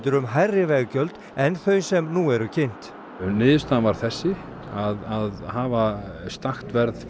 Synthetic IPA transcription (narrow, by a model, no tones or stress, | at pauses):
t̪ʏɾʏmɦajrːɪvɛɣcœlt̪ | ɛnθœɥsɛmnuɛɾʏcʰejn̥t̪ | nɪːðʏst̪anvaɾ̥θɛsːɪ | aðaðhaːvast̪axt̪vɛɾð